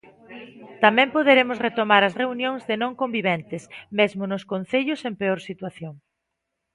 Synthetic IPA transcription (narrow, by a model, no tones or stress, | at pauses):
t̪amɛ̃mpoðeɾemʊsret̪omaɾɐsreunjõŋzðɪnõŋkombiβɛnt̪ɪsmezmʊnʊskon̟θeʎʊsempeoɾsit̪waθjoŋ